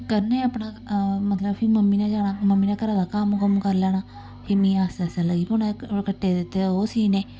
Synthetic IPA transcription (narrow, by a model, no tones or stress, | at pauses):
kəɾneːəpɳaː | mət̪ləbpʰiməmːiːnaːd͡ʒaːɽaːməmːiːnaːkəɾãːd̪aːkəmkəmkəɾlɛːnaː | pʰimĩːaːsɛːsaːləɡiːponaːkəʈːeːd̪ɪt̪ːeːoːsiːneː